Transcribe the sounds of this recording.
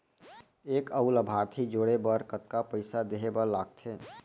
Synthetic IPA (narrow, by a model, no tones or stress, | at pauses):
eːkəuləbʱaːɾt̪ʰid͡ʒoːɽebəɾkət̪kapəɪsad̪eɦebəɾlaːɡt̪ʰe